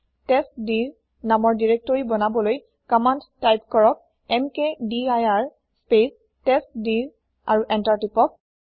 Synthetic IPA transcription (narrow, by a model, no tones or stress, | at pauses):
tɛstdiɹ | namɔɹdiɹek̚tɔɹibɔnabɔloj | kɔmanttːajpkɔɹɔk̚ | ɛmkediajaɹ | spes | tɛstdiɹ | aɹuʔɛntaɹtipɔk̚